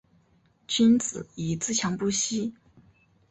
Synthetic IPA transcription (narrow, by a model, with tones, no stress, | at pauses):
t͡ɕi˥nt͡sɹ̩˨˩˦i˨˩t͡sɹ̩˥˩t͡ɕʰjɑ˧˥ŋpu˥ɕi˥